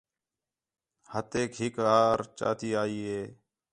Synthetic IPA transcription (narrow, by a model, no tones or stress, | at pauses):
hət̪eːkɦɪkaːɾt͡ʃa̰ːt̪iːaːiːɦeː